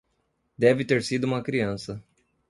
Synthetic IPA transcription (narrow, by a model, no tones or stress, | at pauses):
d̪ɛvɪt̪eɾsid̪ʊũmɐkɾiɐ̃sɐ